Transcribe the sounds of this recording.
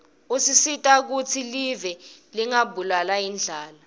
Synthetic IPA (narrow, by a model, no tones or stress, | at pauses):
usisitʼak̬ut͡sʰilivɛliŋabʱulalajind͡ɮʱaːla